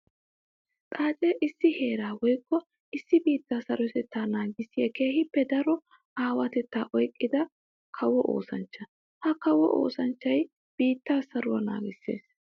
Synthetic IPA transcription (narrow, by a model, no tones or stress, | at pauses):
t̪ʼaːt͡ʃʼɛʔɪsːɪhe̞ːɾaːwɔjkːɔ | ɪsːɪbiːt̪ːaːsɐɾɔt̪ɛt̪ːaːnaːɡɪsːɪjɐke̞ːhɪpːɛd̪ɐɾɔ | aːwɐt̪ɛt̪ːaːʔɔjkʼːɪd̪ɐ | kʰɐwɔʔo̰ːsɐnt͡ʃːɐ | hɐkɐwɔ̰ʔo̰ːsɐnt͡ʃːɐj | b̥iːt̪ːaːsɐɾʊwɐna̰ːɡɪsːe̞̰ːs